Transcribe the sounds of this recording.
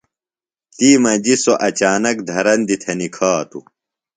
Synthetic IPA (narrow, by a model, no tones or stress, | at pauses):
t̪iːmɐd͡ʑisoʔɐt͡ɕaːnɐkd̪ʱɐɾɐnd̪it̪ʰɐnikʰaːt̪ṵ